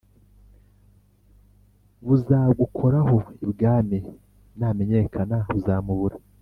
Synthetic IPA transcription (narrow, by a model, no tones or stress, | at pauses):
βuzaːɡukʰoɾaɦo̞ibɡaːmi | naːme̞ɲe̞kʰanaβuzaːmuβuɾa